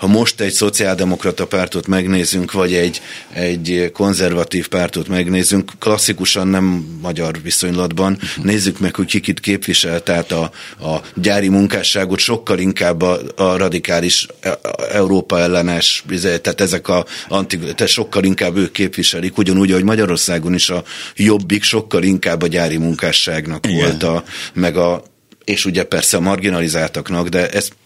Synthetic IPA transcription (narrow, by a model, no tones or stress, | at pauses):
hɒmo̞ʃt̪ɛɟso̞t̪siaːld̪ɛmo̞krɒt̪ɒpaːrt̪ot̪mɛɡneːzyŋkvɒɟɛɟːɛɟːko̞nzɛrvɒt̪iːfpaːrt̪ot̪mɛɡneːzyŋkːklɒsːikuʃɒnːɛmːɒɟɒrviso̞ɲlɒd̪bɒnːeːzːykmɛkho̞ckikit̪keːpʋiʃɛlt̪ɛːt̪ɒː | ɟaːɾimuŋkaːʃaːɡo̞t̪ʃo̞kːɒliŋkaːbːrɒd̪ikaːliʃ | ɛuɾoːpɒɛlːɛnɛʃizt̪aːt̪ɛzɛkɒɒnt̪iɡt̪ɛʃo̞kːɒliŋkaːbːøːkːeːpʋiʃɛlikuɟɒnuːɟɒɦo̞ɟmɒɟɒɾo̞rsaːɡo̞niʃɒjo̞bːikʃo̞kːɒliŋkaːbːɒɟaːɾimuŋkaːʃaːɡnɒkʋo̞lt̪ɒmɛɡɒ | eːʃuɟɛpɛrsɛɒmɒrɡinɒlizaːlt̪ɒknɒɡd̪ɛʔɛs